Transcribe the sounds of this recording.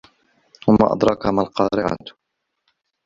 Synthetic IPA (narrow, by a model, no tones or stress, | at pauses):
hʊmːa̰ʔɑ̰d̪ɾˤɑkamalqɑːɾɪʕa̰t̪